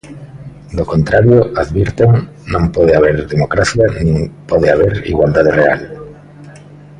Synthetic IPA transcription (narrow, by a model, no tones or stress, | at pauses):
d̪okont̪ɾaɾjoaðβiɾt̪eŋ | nõmpɔð̞eaβ̞eɾðemokɾaθjanĩŋpoðeaβ̞eɾḭɣwald̪að̞erea̰l